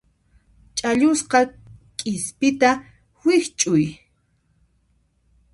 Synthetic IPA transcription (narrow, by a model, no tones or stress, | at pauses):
t͡ʃʼaʎʊsqɑ | kʼɪspɪt̪a | wɪht͡ʃʼʊj